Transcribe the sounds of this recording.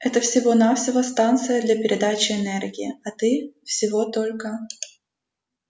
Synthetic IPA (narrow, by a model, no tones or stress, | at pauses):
ɛt̪əfsʲɪvo̞nafsʲɪvəst̪ant̪sɨjəd̪lʲɐpʲɪɾʲɪd̪at͡ɕɪɛnɛrɡʲɪɪɐt̪ɨfsʲɪvot̪o̞lʲkə